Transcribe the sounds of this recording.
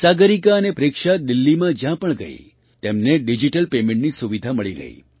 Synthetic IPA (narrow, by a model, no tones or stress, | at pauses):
saɡəɾikaənepɾekʃad̪ilːimãd͡ʒjãpəɳɡə̰ḭ | t̪emneɖid͡ʒiʈəlpemẽɳʈnisuʋid̪ʱaməɭiɾə̰ɦḭ